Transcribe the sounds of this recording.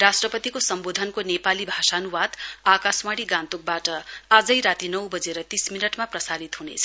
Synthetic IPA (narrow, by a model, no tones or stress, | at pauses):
rasʈrʌpʌt̪ikosʌmbod̪ʱʌnkonepalibʱasanuwad̪akasmaɽiɡãnt̪uk̚baʈʌad͡zʌjɾat̪inʌwbʌd͡zeɾʌt̪isminʌʈmaprʌsaɾit̪ɦunḛt͡sʰʌ